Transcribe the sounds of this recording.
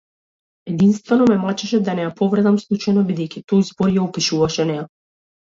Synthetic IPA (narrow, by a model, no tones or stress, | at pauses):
ɛd̪inst̪vɛnɔmɛmat͡ʃɛʃɛd̪anɛjapɔvrɛd̪amslˠut͡ʃajnɔbid̪ɛjkʲit̪ɔjzbɔɾjaupiʃuvaʃɛnɛja